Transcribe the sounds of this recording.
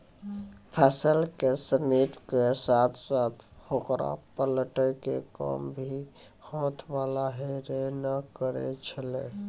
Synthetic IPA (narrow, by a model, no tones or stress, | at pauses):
pʰɛsəlkesəniʈkesat̪ʰsat̪ʰhokɾa̰pələʈəjkekə̰mbʱi | hõt̪ʰʋalaɦeɾenəkəɾḛt͡ʃʰəle